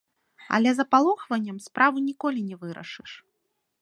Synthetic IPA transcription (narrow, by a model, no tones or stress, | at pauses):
ɐ̰lʲɛzɐpalˠuxvɐnʲːɐmspɾʔavɨnʲikɔlʲinʲɛvɨɾɐ̰ʂɨʂ